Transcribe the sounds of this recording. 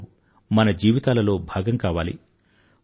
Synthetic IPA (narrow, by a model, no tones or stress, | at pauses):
mɐnɐd͡ʒiːʋit̪aːlɐlo̞ːbʱaːɡɐŋkaːʋaːlḭ